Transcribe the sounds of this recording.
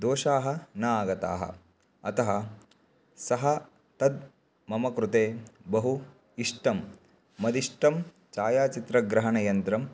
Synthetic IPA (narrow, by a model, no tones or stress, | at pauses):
d̪oːʃaːɦɐ̆nɐaːɡɐt̪a̰ːɦɐ̰ | ɐt̪ɐɦɐ | sɐɦɐ | t̪ɐd̪ | mɐmɐkɾut̪eːbɐɦu | iʂʈɐmː | ɐd̪iʂʈɐm | t͡ʃaːjaːt͡ʃit̪ɾɐɡɾɐɦɐnɐjɐnt̪ɾɐm